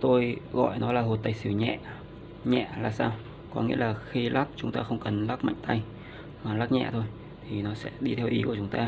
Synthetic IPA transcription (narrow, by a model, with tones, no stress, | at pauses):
t̪o˧jɣɔ̰˧˨jnɔ˨˦laː˨˩ɦo˨˩t̚t̪aː˨˩jsi˧˩əwɲɛ̰˧˨ | ɲɛ̰˧˨laː˨˩saː˧w | kɔ˨˦ŋḭ˧˥əlaː˨˩xi˧laː˦˥k̚t͡ɕʊ˨˦ŋ͡mt̪aː˧xə˧wŋ͡mkə˨˩nlaː˦˥k̚ma̰˧˨jŋ̟t̪a˧j | maː˨˩laː˦˥k̚ɲɛ̰˧˨t̪ʰo˧j | t̪ʰi˨˩nɔ˨˦sɛ̰˧˥ɗi˧t̪ʰɛ˧wʔi˨˦ku˧˩ət͡ɕʊ˨˦ŋ͡mt̪aː˧